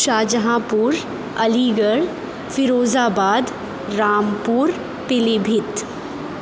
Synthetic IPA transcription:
ʃaːd͡ʒəɦãːpuːɾ | ɐliːɡəɭ | fɪɾoːzaːbaːd̪ | ɾaːmpuːɾ | pɪlibʱɪt̪

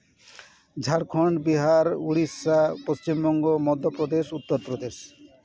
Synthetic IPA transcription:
d͡ʑʱaɽkʰoɳɖbiɦaɾuɽisːapost͡ɕimbɔŋɡomɔd̪ʱːopɾod̪eʃut̪ːoɾpɾod̪eʃ

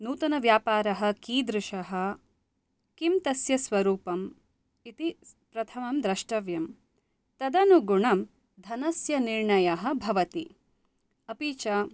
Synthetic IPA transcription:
nuːt̪ɐnɐʋjaːpaːɾɐɦɐ̆kiːd̪ɾɪʂɐɦɐ | kimt̪ɐsjɐsʋɐɾuːpɐm | it̪ipɾɐt̪ʰɐmɐmd̪ɾɐʂʈɐʋjɐm | t̪ɐd̪ɐnuɡuɳɐm | d̪ʱɐnɐsjɐniɾɳɐjɐɦɐ̆bʱɐʋɐt̪i | ɐpiːt͡ʃɐ

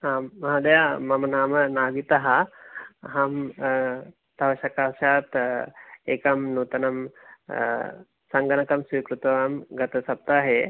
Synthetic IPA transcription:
aːmːɐɦad̪ɐjamɐmɐnaːmɐnaːɡit̪ɐɦɐ̆ | ɦɐm | t̪ɐʋɐʃɐkaːʃaːt̪ | eːkɐmnuːt̪ɐnɐm | sɐŋɡɐnɐkɐmsiːkɾut̪ʋɐɐmɡɐt̪ɐsɐp̚t̪aːɦe

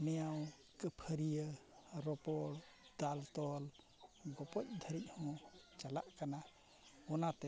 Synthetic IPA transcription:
nɛjaw | kəpʰəɾijəɾɔpɔɽ | d̪̥alt̪ɔl | ɡɔpɔc̚ˀd̪ʱəɾic̪̚ˀhɔ̃t͡ʃala̰ʔkana | ɔnat̪ɛ

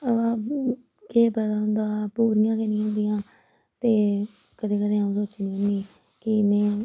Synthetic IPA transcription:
əʋãː | keːbət̪aːɦʊnd̪aːpuːɾɪjãːkenĩːɦõːnd̪ɪjãː | t̪eː | kəd̪eːkəd̪eːaũːsoːt͡ʃnĩːɦõnd̪iː | kɪmɛ̃ː

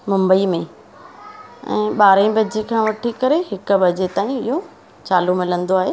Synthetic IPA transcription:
mʊ̃mbəimẽ | ɛ̰̃ːɓaːɾə̃bɐd͡ʑekʰãːʋɐʈʰikɐɾeɦɪkʊ̆bɐd͡ʑet̪aːĩɪɦo | t͡ɕaːlumɪlə̃nd̪oaːɦeː

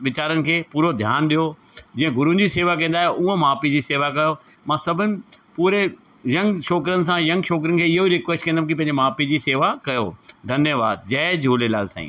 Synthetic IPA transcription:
ʋɪt͡ɕaːɾənɪ̆kʰeːpuːɾod̪ʱjaːnɗijo | d͡ʑĩːə̃ɡʊɾũd͡ʑiːseːʋak̬ɐ̃ːn̆d̪aːɦʔʊɦõmaːpid͡ʑiːseːʋakɐjomãːsɐbʱənɪ̆puːɾe | jɐ̃ŋɡʃɔːkɾənɪ̆s̬ãjɐ̃ŋɡʃɔːk̬ɾənɪ̆kʰeːɪɦoiɾɪkʋɛsʈkɐ̃ːnd̪amkipɐ̃ɦɪ̃ɲd͡ʑemaːpid͡ʑiːseːʋakɐjo̰d̪ʱɐnjəʋaːd̪̚d͡ʑɐd͡ʑʱuːlelaːd̪sa̰ːḭ̃ː

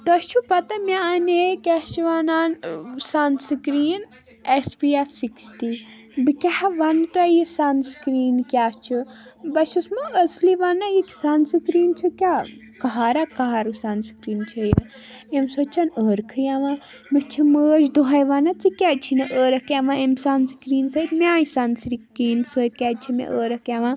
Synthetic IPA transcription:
t̪ɐt͡ʃʰupɐt̪ɐmʲaanekʲɐt͡ʃʰiʋanaːnsansɨkɾiːn | esbiefsiksti | bɨkʲahaʋɐnt̪ɐjisanskɾiːnkʲaːt͡ʃʰɨbɐʃusmɐəsliʋanajikʲsansɨkɾiːnt͡ʃʰukʲa | kɐɦaːɾakɐɦaɾusanskɾiːnt͡ʃʰɨjɐ | emsɐt͡ʃʰɐnəːɾkʰɨɾjaʋã | mit͡ʃʰiməːd͡ʒd̪oɦajʋanat͡sɨkʲaːt͡ʃʰinɐʔəːɾɐkaʋãemsanskɾiːnsəːt̪maːjisansɾikɾiːnsəːt̪̚kʲaːt͡ʃʰimḛʔəːɾɐkaʋã

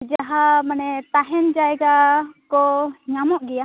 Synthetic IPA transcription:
d͡ʒaɦamanɛt̪aɦɛnd͡ʒaɛɡakɔɲamɔʔɡɛja

